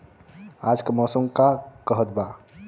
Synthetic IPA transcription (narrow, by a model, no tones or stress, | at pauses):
aːd͡ʒkəmɔːsəmkakəɦət̪ba